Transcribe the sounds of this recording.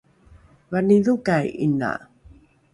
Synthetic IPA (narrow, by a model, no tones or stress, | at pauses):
vaniðukajina̰